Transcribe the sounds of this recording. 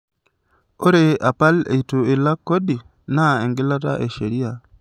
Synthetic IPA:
o˦ɾea˨pa˦lḛ˨itu˨e˨la˦kːo˦di˨ | na˦e˨ŋɡi˦la˦ta̰˦ʔe˨ʃe˨ɾi˦a

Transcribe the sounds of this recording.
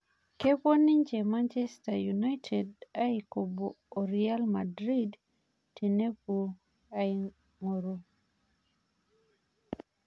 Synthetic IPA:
ke˦po˦ni˦ɲd͡ʒe˨ma˦nt͡ʃɛ˦stajunajtʰeda˦i˨koboː | ɾia˦lmadɾi˦d | ti˨ne˦po˨ | ai | ŋo˨ɾo˦

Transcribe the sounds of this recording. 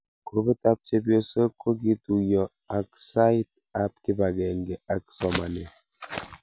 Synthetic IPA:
ko˨be˦ta˦p̚te˦bjo˦sə˦ko˦ɡi˦tu˨jɔ˨ | a˨ksa˦i˦t̚ | a˦p̚ki˦ba˨ɡɛ˨ŋɡe˨ʔa˦ksɔ˨ma˨ne˨

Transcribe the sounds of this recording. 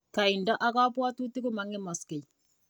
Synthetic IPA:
ka˨i˨nda˦ʔa˦ka˦pwa˦tu˦tːi˦ko˦ma˨ŋe˦ma˨ske˨j

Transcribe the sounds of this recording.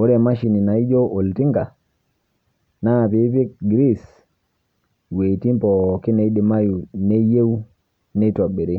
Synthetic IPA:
o˦ɾe˨ma˦ʃi˨ni˨na˨i˦d͡ʒo˦ʔo˨lti˦ŋɡa˨ | na˦a˨pi˨˦pi˦kɡɾi˦s | we˨ti˦mpɔ˨ki˦ne˨i˦di˨ma˦ju˨ne˦je˦wu˦ | ne˦to˨ɓe˨ɾi˦

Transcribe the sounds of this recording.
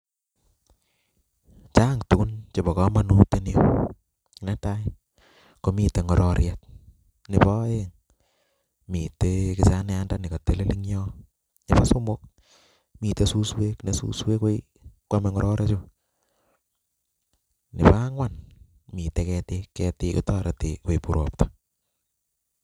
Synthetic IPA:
t͡ʃa˦ŋtu˨ku˦nt͡ʃe˨bɔ˨kɔ˦ma˦nu˦te˦nio | nɛ˦ta˦ | ko˦mi˨te˨ŋɔ˨ɾʔɔɾjat̚ | nɪ˨pɔ˦e˦ŋ | mi˨tekɪsa˦nɛ˦a˦nda˦nɪ˨ka˨te˦le˦li˦ŋɲɔ˦ | nɪpa˦so˦mok̚ | mi˨tesu˦swe˦knesṵ˦swe˦ko˦i | kwamɛŋɔɾʔɔɾʔe˦t͡ʃʊ | nɪ̰˨pa˦ŋwan | mi˨tekɛtekɛtɪkḭta˦ɾateko˨ipuɾo̰p̚tḁ

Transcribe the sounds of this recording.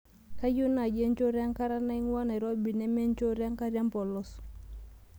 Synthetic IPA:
ka˦ju˦na˨d͡ʒe˦ɲt͡ʃo˦ɾja˦ŋka˦ɾa˦na˦i˦ŋ˦wa˦na˨ɾo˦bi˨nɛ˦me˦ɲt͡ʃo˦ɾja˦ŋka˦ɾja˦mpɔ˨lɔ˦s

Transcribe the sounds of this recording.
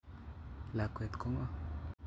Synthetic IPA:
la˨kʷe˨t̪ko˦ŋa˦

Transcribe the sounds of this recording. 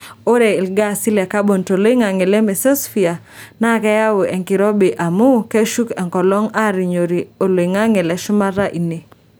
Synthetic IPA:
o˦ɾɛ˨ɪ˨lɡa˦˨si˦lɛ˨ka˦bo˨nto˨lo˦i˦ŋa˨ŋe˨lɛ˦me˨sɔ˦sfi˨a˨ | na˦˨kɛ˦ja˦wo˨ʔɛ˨ŋkɪ˨ɾɔ˦be˨ʔa˨mu˦ke˦ʃu˦kɛ˨ŋkɔ˨lɔ˦ŋa˦˨ɾi˨ɲo˨ɾi˨o˨lo˨i˨ŋa˦ŋe˨lɛ˨ʃʊ˦ma˦ɾa˦ʔi˨ne˨

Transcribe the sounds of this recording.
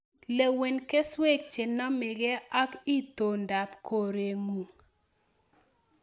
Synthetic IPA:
le˨we˨nke˦swe˦˨k̚t͡ʃe˨nɔ˦mɪ˨ɡe˦a˦ki˦to˨nda˨pkʰo˨ɾe˨ŋu˨ŋ

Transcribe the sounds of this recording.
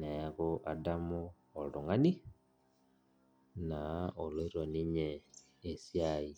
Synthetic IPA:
nɛ˨ɣo˦ʔadamuː˨ | lu˨ŋa˦ni˦ | na˨o˨le˦ɾo˨ni˦ɲeː˨ | sjai˨

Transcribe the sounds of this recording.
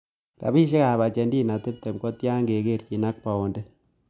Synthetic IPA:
ɾa̰˨bi˦ʃ̬e˦ka˨ba˨t͡ʃe˨ndi˦˨na˨te˦p̚te˨mkɔ˦tja˦ŋɡe˨ke˦˨ɾki˨na˦k̚pa˨o˨nde˦

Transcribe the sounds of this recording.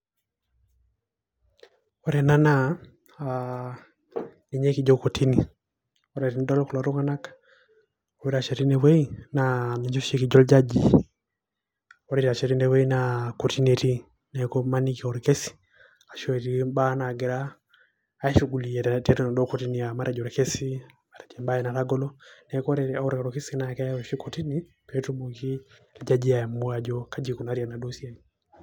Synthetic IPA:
o˨ɾɛ˨na˦na˦ | a | ni˨ɲe˦ki˨d͡ʒo˦ko˨tʰi˦ni˨ | o˨ɾe˨ɾi˦n˦dɔ˦lku˨la˨ɾo˦ŋa˦na˦kḁ | o˨we˦ɾa˨ʃe˨ɾi˦ne˨we˦i˦na˨ni˨d͡ʒo˦ʃe˦ki˨d͡ʒɔ˦ld͡ʒa˦d͡ʒi˨ | o˨ɾi˦ɾa˨t͡ʃe˨ɾi˦ne˨we˦i˦nako˨ti˦ne˨ɾi˦ | nɛ˨kɔ˦mani˦kiɔ˨ɾɛke˦si̥ | a˨ʃɔ˦ɛ˨ɾimba˦na˨ɡɛ˨ɾaː˦ | ʃuɡu˨liɛ˨tɛɾɛnɔ˨dɔ˦kɔti˦ni˨a˨ma˦ɾɛ˨d͡ʒɔ˨ɾɛ˨kɛ˦si˦ | ma˨ɾɛd͡ʒɛmba˦jɛna˨ɾa˦ɡɔ˦lɔ˦nɛkɔ˦ɾɛɔɾkaɾɔke˦si˦na˨ka˦ja˦ɔʃi˦kɔti˦ni˦ | pɛtu˦moki˦ | ld͡ʒad͡ʒi˦aa˨mu˦ad͡ʒɔ˦kad͡ʒi˨ku˨naɾia˨na˨dosiɛ˦ni

